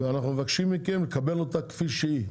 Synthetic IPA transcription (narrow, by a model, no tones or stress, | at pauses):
veanaχnumevakʃimːikemlekabe̞lo̞takfiʃii